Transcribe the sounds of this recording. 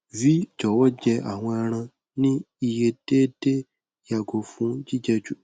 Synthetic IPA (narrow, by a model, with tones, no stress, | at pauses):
vi˦d͡ʒɔ˨wɔ˦d͡ʒɛ˧ʔa̰˨w̃ɔ̃˧a˧ɾ̃ã˧ | nĩ˦ | i˧je˧d̥e˦d̥e˦ | ja˨ɡo˨fũ˨˦d͡ʒi˦d͡ʒɛ˧d͡ʒu˨